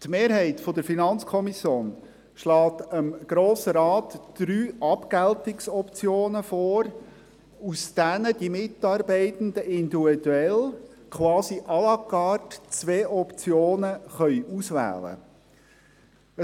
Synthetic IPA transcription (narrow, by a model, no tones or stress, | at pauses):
t̪meːɾɦɛɪtfɔdəɾfinɑnt͡skʰɔmisjoːn | ʃlɑːtəmɡ̥ɾoːsəɾɑːtd̥ɾyːʔɑpɡ̥æltɪksɔpt͡sjoːnəfɔːɾ | usd̥ænəd̥imɪtɑːɾbɛɪt̪ən̩d̪əʔɪnd̪iid̥uɛl | kʰwɑːsiʔɑlɑkɑːtt͡sʋeːʔɔpt͡sjoːnəχœʏʔusʋæ̰ːlə̰ | ə